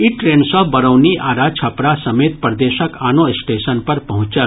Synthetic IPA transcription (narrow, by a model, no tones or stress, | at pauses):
iʈɾeːnsɔɦbəɾəwniʔaːɾat͡ʃʰɐpɾasɐmeːt̪̚pɾd̪eːʃəkaːnoɪsʈeːʃənpɐɾpɐɦʊ̃t͡ʃə